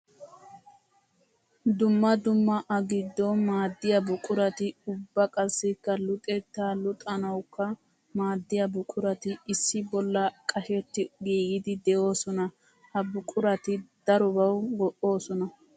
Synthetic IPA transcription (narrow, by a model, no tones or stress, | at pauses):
d̪ʊmːɐd̪ʊmːɐʔɐɡɪd̪ːɔmaːd̪ːɪjɐbʊkʼʊɾɐt̪ɪʊbːɐkʼɐsːɪkːɐlʊt̪ʼɛt̪ːaːlʊt̪ʼɐnɐwkːɐ | maːd̪ːɪjɐbʊkʼʊɾɐt̪ɪɪsːɪbɔlːɐkʼɐʃɛt̪ːɪɡiːɡɪd̪ɪd̪ɛʔo̞ːsɔnɐ | hɐbʊkʼʊɾɐt̪ɪd̪̥ɐɾɔbɐwɡɔʔo̞ːsɔnɐ